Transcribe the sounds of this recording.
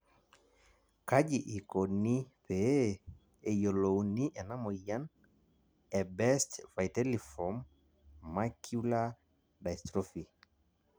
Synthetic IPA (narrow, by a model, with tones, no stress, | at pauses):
ka˦d͡ʒi˨ʔi˨ko˨ni˦pe˨ | ɛ˨jo˨lo˨wni˦ʔɛ˨na˦mɔ˨ja˦n | ɛ˨bɛ˦stva˨jtɛ˦li˨fɔ˨mː | a˦kju˦la˦ | da˨stɾɔ˦fi˨